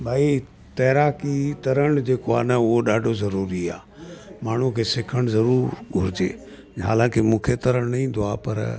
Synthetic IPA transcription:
bʱaːi | t̪ɛːɾaːkit̪ɐɾəɽ̃d͡ʑeːkoaːnɐʊɦoɗaːɖʱozɐɾuːɾia̰ː | maːɳ̤ukʰesɪkʰəɽ̃zɐɾuːɾɡʱʊɾɪd͡ʑḛː | ɦa̰ːlãːkemũːkʰet̪ɐɾəɽ̃nɐɦĩnd̪oaːpɐ̰ɾ

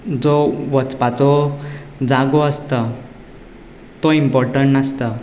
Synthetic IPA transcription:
d͡zoʋət͡spat͡so | d͡zaɡoəst̪ə | t̪oimpɔɾʈəɳʈnəst̪ə

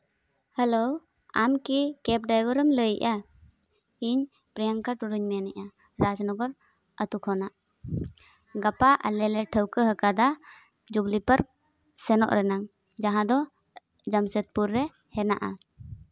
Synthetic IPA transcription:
həlo | amkikɛp̚ɖajwəɾəmləjʔa | iɲ | pɾijaŋkaʈuɾuɲmɛnɛʔa | ɾad͡ʒnɔɡɔɾ | ət̪ukʰɔnaʔ | ɡapaʔlɛlɛʈʰəwkəɦəkad̪a | d͡ʒuɡlipəɾ | sɛnɔ̰ʔɾɛnaŋ | d͡ʒaɦãd̪ɔ | d͡ʒamsət̪̚puɾːɛ | hɛnaʔa

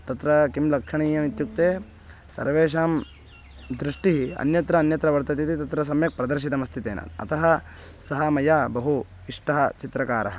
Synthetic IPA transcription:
t̪ɐt̪ɾɐkimlɐkʂɐɳiːjɐmit̪juk̚t̪eː | sɐ̰ɾʋeːʃ̬aːm | d̪ɾiʂʈiɦiɐ̰njɐt̪ɾɐːnjɐt̪ɾɐʋɐɾt̪ɐt̪it̪it̪ɐt̪ɾɐsɐmjɐk̚pɾɐd̪ɐɾʃ̬it̪ɐmɐst̪ʰit̪ḛːnɐ̰t̪ɐ̰t̪ɐɦɐ | sɐɦɐmɐjaːbɐɦu | iʂʈɐɦɐt͡ʃit̪ɾɐkaːɾɐɦɐ

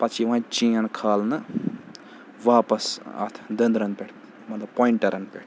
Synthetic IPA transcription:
pɐt͡ʃʰiʋãt͡ʃĩːɐnkʰaːlnɨ | ʋaːpɐsɐ̰t̪ʰd̪ənd̪ɾɐnpʲeʈʰ | mɐt̪lɐpoːiɳʈɐɾɐnpʲeʈʰ

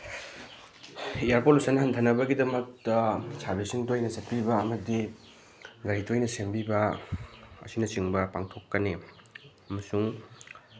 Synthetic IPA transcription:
ijaɾpolusɐnːɐhɐntʰɐnɐbɐɡidɐmɐk̚tɐsabesiŋtojnɐzɐt̚pibɐɐmɐdi | ɡɐɾitʰojnɐsembibɐ | ɐ̰sinɐt͡ʃiŋbɐpaŋtʰokːɐne | ɐmɐsuŋ

